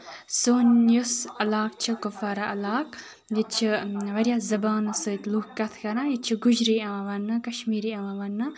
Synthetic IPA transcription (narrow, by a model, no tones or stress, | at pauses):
soːnjosɐlaːk̚t͡ʃʰikofaːɾaʔɐlaːk | jit͡ʃʰiʋɐɾijazɐbaːnɨsɨt̪ʲluːkkɐt̪ʰkɐɾãːjit͡ʃʰiɡud͡ʒɾiãʋɐnːɨkɐʃmiːɾiaːãʋɐnːɨ